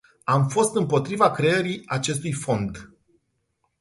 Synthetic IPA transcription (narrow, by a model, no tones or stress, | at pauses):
amfo̞st̪ɨmpo̞t̪ɾivakɾeeɾiat͡ʃe̞s̬t̪ujfo̞nd̪